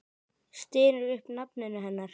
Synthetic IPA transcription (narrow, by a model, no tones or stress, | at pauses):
st̪ɪːɾʏɾʏhpnapnɪnːʏɦɛnːaɾ̥